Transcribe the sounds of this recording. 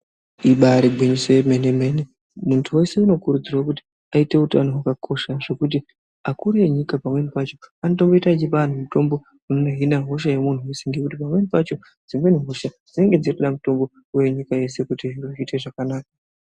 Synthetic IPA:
iɓaɾibʱwiɲiseemenemene | muntʰuwe̞se̞uno̞kuɾud͡zirwakuti̥ | aite̞utanoɦwakakʰo̞ʃaʐe̞kut̬i | akuɾijeɲikapamwe̞nipat͡ʃo̞anot̬o̞mbo̞itat͡ʃipan̤umuto̞mbo̞ | unoneɦinaɦoʃ̬aje̞mun̤tuweseŋɡe̞kutipamwe̞nipat͡ʃo̞ | d͡zimwe̞niɦoʃad͡zine̞ŋɡe̞d͡ziruɗamuto̞mbo̞ | we̞ɲikaje̞se̞kutiʐiruite̞ʐakanaːka

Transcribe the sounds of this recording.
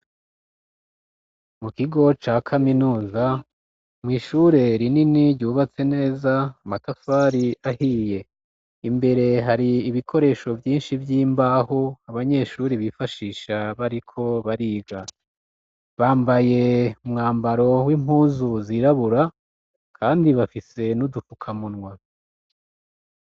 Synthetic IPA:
mukiɡo̞t͡ʃaːkʰaminuːza | mŋiːʃuɾe̞ɾininiɾɟuːβat͡se̞ne̞ːzaːmatafaːɾiahije̞ | imbe̞ɾe̞ɦaɾiːβikʰo̞ɾe̞ːʃo̞vjiːnʃivjiːmbaːhoaβaɲe̞ʃuːɾiβifaʃiːʃaβaɾikʰo̞βaɾiːɡa | βaːmbaje̞umŋaːmbaɾo̞wim̥huːzuziɾaβuɾa | kʰaːndiβafise̞nudufukʰamunŋwa

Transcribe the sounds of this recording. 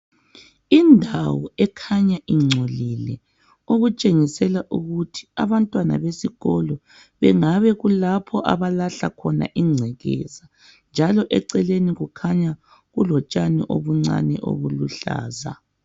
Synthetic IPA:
indʱawɔɛkʰaɲaʔiŋ͡ǀʱolilɛ | oɣut͡ʃʼeŋisɛlaʔuɣutʰi̥aβantʼwana̰βesiɣɔlɔ | βɛŋaβɛɣulapʰɔʔa̰βalaɬakʰɔna̰ʔiŋ͡ǀʱɛɣɛ̰ːza | nd͡ʒʱalɔʔɛǀɛleniɣukʰaɲa | ɣulɔt͡ʃʼanɛ̰ʔo̰βuŋ͡ǀa̰nɛ̰ʔo̰βuluɬa̰ːza̰

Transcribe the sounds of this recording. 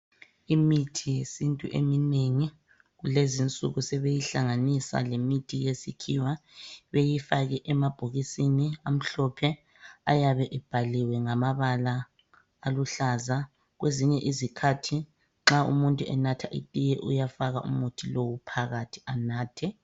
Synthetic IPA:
imitʰijesintʼṵʔḛmineŋi | ɣulezint͡sʼṵɣusɛβejiɬaŋanisa̰lemitʰijesikʰiwaβejifaɣɛʔɛmab̥ʱoɣisiniam̩ɬɔpʰɛ | ajaβɛʔɛb̥ʱaliwɛŋamaβalaː | luɬaza | ɣweziɲɛʔizikʰatʰi | ŋ͡ǁaṵmuntʼuɛnatʰaʔitʼijɛʔujafaɣaʔṵmutʰilowupʰaɣatʰi̥anaːtʰɛ

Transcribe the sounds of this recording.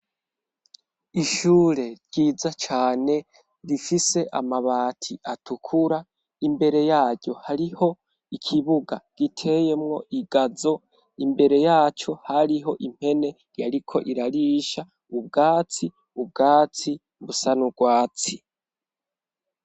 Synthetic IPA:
iʃuːɾe̞ɾɟiːzat͡ʃaːne̞ | ɾifise̞ʔa̰maβaːtʰiʔatukʰuɾa | imbe̞ɾe̞jaːɟɟo̞haɾiho̞ | ikʰiβuɡaɡ̥itʰe̞je̞mŋo̞iɡazo̞ | imbe̞ɾe̞jaːt͡ʃo̞haɾiɦo̞ʔim̥he̞ne̞ | jaɾikʰo̞ʔiɾaɾiːʃa | ub̚ɡaːt͡si | ub̚ɡaːt͡si | βusanuɡwaːt͡si

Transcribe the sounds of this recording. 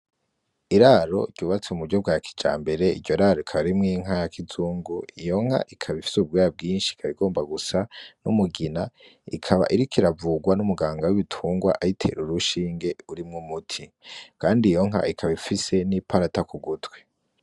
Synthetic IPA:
iɾaɾo̞̰ɟɟuːβat͡seumuɾɟob̚ɡaːjakʰi̥d͡ʒa̰ːmbe̞ɾe̞ḭdɟo̞ɾaɾoikʰaβaɾimŋiːŋ̥ɦajakʰizuːŋɡuijo̞ŋ̥ha̰ʔikʰaβifi̥sub̚ɡaːjab̚ɡiːnʃi̥kʰaβiɡo̞ːmbaɡusanṵmuɡinaḭkʰaβa̰ʔiɾikʰiɾavuɡwanumuɡaːŋɡawiβitʰuːŋɡwa̰ʔajitʰe̞̰ɾuɾuʃiːŋɡe̞uɾimŋumutʰi | kaːndijo̞ŋ̥ɦa̰ikʰaβaifise̞nipʰaɾatakuɡutɡwe

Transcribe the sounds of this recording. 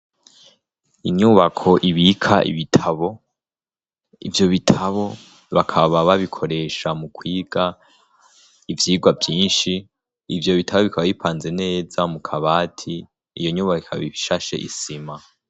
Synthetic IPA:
iɲuːβakʰo̞ʔiβikʰa̰ḭβitʰaβo | ivjo̞βitʰaβo̞ | βakʰaβaβaβikʰo̞ɾe̞ʃamukwiːɡ̥a | ivjiːɡwavjiːnʃiː | vjo̞βitʰaβoβikʰaβaβipaːnze̞ne̞ːzamukʰaβaːtʰi | jo̞ɲuːβakikʰaβiβiʃaʃe̞̰ʔḭsima

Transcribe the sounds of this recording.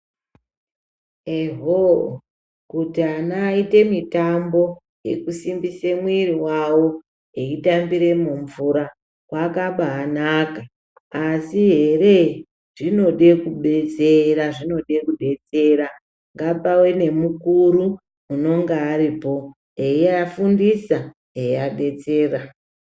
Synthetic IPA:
eɦo | kutianaite̞mitambo̞ | je̞̰kusimbisemwiriwawo̞ | eitambiɾe̞muɱvuɾa | wakaɓaːnaːkaː | siɦe̞re̞ | ʐ̥ino̞ɗe̞kuɓe̞t͡seɾaʐino̞ɗe̞kuɗe̞t͡se̞ɾa | ŋɡapawe̞ne̞mukuɾu | uno̞ŋɡeːɾipo̞ | eiafundisa | eaɗe̞t͡se̞ːra

